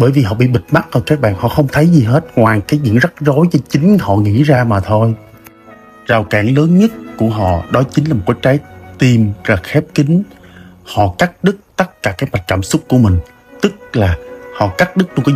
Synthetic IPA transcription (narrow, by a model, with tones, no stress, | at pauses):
ɓəː˧˩˦jvi˨˩ɦɔ̰˧˨ɓḭ˧˨ɓï˨˩t̟̚ma˦˥t̚ʔə˨˩kaː˦˥k̚ɓa̰ː˧˨nhɔ̰˧˨xə˧wŋ͡mt̪ʰə˨˦jzi˨˩ɦe˦˥t̚ŋwaː˨˩kaː˨˦jzɨ̰˧˨əŋzə˦˥t̚zo˨˦jt͡ɕɔ˧t͡ɕï˨˦ŋ̟hɔ̰˧˨ŋḭ˧˥zaː˧maː˨˩t̪ʰo˧j | zaː˨˩wkaː˧˩nləː˨˦nɲə˦˥t̚ku˧˩əɦɔ̰˧˨ɗɔ˨˦t͡ɕi̟˨˦aː˨˩mo˨˩kːwːt͡ɕaː˨˦jt̪i˨˩mzaː˨˩xɛ˦˥p̚kï˨˦ŋ̟hɔ̰˧˨kaː˦˥k̚ɗɨ˦˥k̚t̪ə˦˥t̚kaː˧˩kaː˨˦˥k̚ma˨˩j̚kaː˧˩msʊ˦˥k͡p̚ku˧˩əmï˨˩ŋ̟ | t̪ɨ˦˥k̚laː˨˩hɔ̰˧˨kaː˦˥k̚ɗɨ˦˥k̚t͡ɕʊ˧ŋ͡mka˨˦